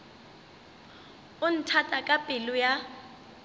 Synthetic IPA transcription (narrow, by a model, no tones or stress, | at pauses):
un̩tʰatʼakʼapʼiluja